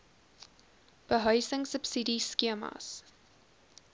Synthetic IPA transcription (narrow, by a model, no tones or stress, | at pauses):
b̥əɦœɥsəŋsəpsidiskiəmɐ̰s